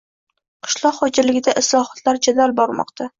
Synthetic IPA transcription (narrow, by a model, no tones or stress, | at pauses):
qʰɨ̥ʃlˠɒqχɒd͡ʒɪɾlɪɡʲɪd̪aʔɪslˠɒhɒ̥t̪laɾd͡ʒad̪albɒɾmɒ̰qt̪ʰa